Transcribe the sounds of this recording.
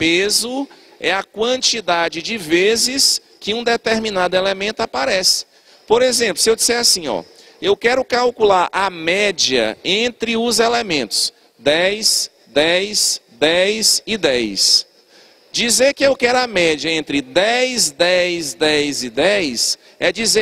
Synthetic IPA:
pezʊ | ɛɐkwɐ̃t͡ʃid̪ad͡ʒɪd͡ʒɪvezɪs | kɪũd̪et̪eɾmĩnad̪ʊelemẽnt̪ʊapaɾɛsɪ̥ | poɾezẽplʊ̥sɪewd͡ʒisɛɾasĩɔ̰ | ewkɛɾʊkawkulaɾʔamɛd͡ʒiɐ̰ẽnt̪ɾɪʊzelemẽnt̪ʊ̥s | d̪ɛjz̥ | d̪ɛjz̥d̪ɛjzɪd̪ɛjs | d͡ʒizeɾkɪewkɛɾʊɐmɛd͡ʒiɐẽnt̪ɾɪd̪ɛjzd̪ɛjzd̪ɛjzɪd̪ɛjs | ɛd͡ʒize

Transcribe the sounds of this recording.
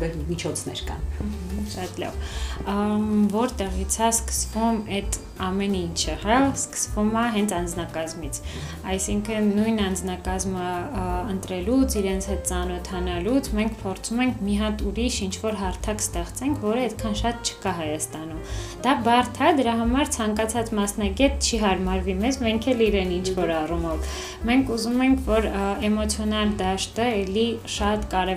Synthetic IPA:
bɛɾmit͡ʃʰɔt͡sʰnɛ̰ɾkɑ̰nʃɑt̪lɑ̰v | vɔɾt̪ɛʁit͡sʰɑskə̥svumɛt̪ | ɑmɛnint͡ʃʰəhɑskə̥svumɑɦɛnt͡sʰɑnd͡znɑkɑzmit͡sʰ | ɑjsiŋkʰənːujnɑnd͡znɑkɑzməənt̪ɾɛlut͡sʰiɾɛnt͡sʰhɛt̪̚t͡sɑnɔt̪ʰɑnɑlut͡sʰmɛŋkʰpʰɔɾt͡sʰumɛŋkʰmiɦɑt̪uɾiʃint͡ʃʰvɔɾɦɑɾt̪ʰɑkst̪ɛχt͡sɛŋkʰvɔɾəɛt̪kʰɑnʃɑt̪t͡ʃʰə̥kɑɦɑjɑst̪ɑn̪umd̪̥ɑbɑrt̪ʰɑd̪əɾɑɦɑmɑɾt͡sʰɑŋkɑt͡sʰɑt͡smɑsnɑɡɛt̪t͡ʃʰiɦɑɾmɑɾvimɛzmɛŋkʰɛliɾɛnint͡ʃʰvɔɾɑrumɔv | mɛŋkʰuzumɛŋkʰvɔɾɛmɔt͡sʰjɔnɑld̪ɑʃt̪əɛliʃɑt̪kɑɾɛ

